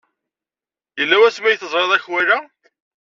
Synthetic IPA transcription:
jəlːæwæsmæjθəzˤɾˤɑðˤæçwæɾæ

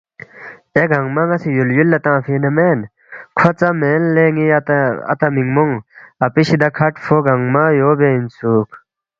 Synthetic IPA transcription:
eɡʱɐŋɡmɐŋɐsijuljulːɐt̪ãːfinɐmeːn | kʰɐt͡sɐmeːnleːŋiɐ̰t̪ɐmiŋmoŋɐpiɕid̪ɐkʰɐʈfoɡɐŋmaːjoːbeinsuːk

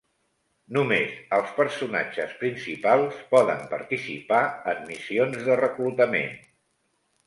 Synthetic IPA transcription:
numezəlˠspəɾsuna̰d͡ʒəspɾinsipalˠspɔðəmpəɾt̪isḭpaəmmisionzðərəklut̪əmḛn

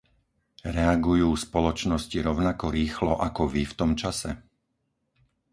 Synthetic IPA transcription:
ɾɛaɡujuːspɔlɔt͡ʃnɔsciɾɔʊnakɔɾiːxlɔʔakɔʋift̪ɔmt͡ʃasɛ

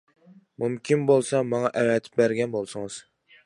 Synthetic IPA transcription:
mumkʲʰimbolˠsɑmɑŋɑʔɛwɛt̪ʰɪ̥p̚bæɾɡʲɛnbolˠsʊŋɨz̥

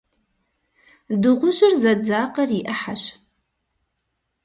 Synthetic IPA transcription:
dɨʁʷʊʑɪrzɐd͡zaːqɐrjɪʔɐħaɕ

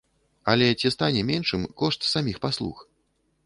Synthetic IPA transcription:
ɐlʲɛt͡sʲist̪anʲɛmʲɛnʂɨmkɔʂt̪samʲixpaslˠṵx

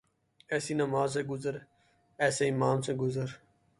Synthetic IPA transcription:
ɛːsiːnəmaːzseːɡʊzəɾ | ɛːseːɪmãːmseɡʊzəɾ

